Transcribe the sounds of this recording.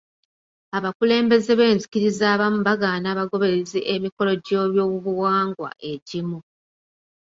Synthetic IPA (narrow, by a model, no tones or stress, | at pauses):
aβakule̞ːmbe̞ze̞βe̞ːnzikiɾizaːβamuβaɡaːnaːβaɡo̞βe̞ɾezeʔemiko̞lo̞ɟo̞ːβjo̞ːβuβuwaːŋɡwa̰ʔe̞ɟimu